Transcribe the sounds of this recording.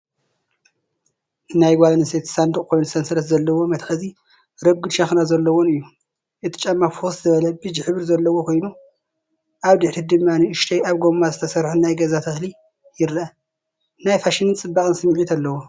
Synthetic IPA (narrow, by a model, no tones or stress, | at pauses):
ɨnajɡʷalnɨset̪sand̪ɨkʼkʰo̞jnusɐnsɐlɐt̪zɐlːɐwo̞mɐt̪xɐzi | ɾɐɡɨd̪ʃɐxnazɐlːɐwonɨjːu | ʔɨt̪ʰi̥t͡ʃʼɐmːaɾfuxsɨt̪ʰɐβɐlɐbɨd͡ʒħɨβɾzɐlːɐwokʰo̞jnu | ʔaβd̪ɨħɾid̪ɨmːaniʔɨʃt̪ʰɐjaβɡo̞mːazɨt̪ʰɐsɐɾħunajɡɐzat̪ʰɐxli | jɪɾɐ | najfaʃinɨnt͡sʼɨbːakʼɨnsɨmʕit̪ʰɐlːɐwo